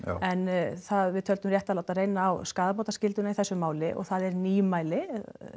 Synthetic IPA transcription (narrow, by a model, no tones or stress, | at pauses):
ɛnθaðvɪðt̪ʰœlt̪ʏmrjɛht̪alawt̪arejnaːwskaːðap̬awt̪ascɪlt̪ʏnaiθɛsːʏmaːwlɪʔɔ̰ɣθaðɛɾniːjʏmaːjlɪ